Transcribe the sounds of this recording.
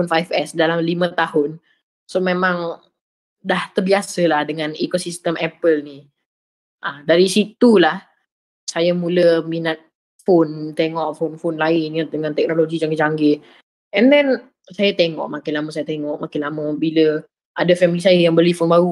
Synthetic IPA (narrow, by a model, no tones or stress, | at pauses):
fonfajfɛsdalamlimə̃t̪ahʊn | somẽmãŋ | daht̪ərbiasəlahdəŋãnikosist̪əmʔɛpəlni | ʔədaɾisit̪ulah | sajamuləminat̪̚ | font̪eŋɔʔfonfonlaɪnjad̪əŋãnt̪ɛk̚noloɡid͡ʒaŋɡɪʔd͡ʒaŋɡɪʔ | ɛndɛn | sajat̪eŋɔ̰ʔmakɪlaməs̬ajat̪eŋɔʔmakɪnlaməbilə | ʔadəfɛmilisajajaŋbəlifonbaɾu